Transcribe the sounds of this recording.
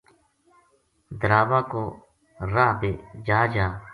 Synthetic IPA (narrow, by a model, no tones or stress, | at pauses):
d̪əɾaːʋaːkoː | ɾaːɦbid͡ʒaːd͡ʒaː